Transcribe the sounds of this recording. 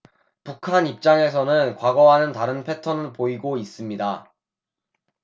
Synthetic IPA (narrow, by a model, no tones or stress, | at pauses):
pukʰanip̚t͡ɕ͈aŋe̞s̬ʰʌnɯnkwaɡʌɦanɯntaɾɯnpʰe̞tʰʌnɯɭpoiɡois͈ɯmɲida